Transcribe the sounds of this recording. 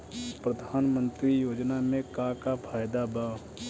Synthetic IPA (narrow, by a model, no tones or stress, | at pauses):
pɾəd̪ʱaːnmə̃nt̪ɾijoːd͡ʒnamẽkakapʰaːjd̪aba